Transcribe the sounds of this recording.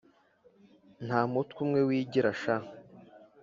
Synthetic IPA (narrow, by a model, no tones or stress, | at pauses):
n̥haːmutkumŋewiːɟiɾaʃa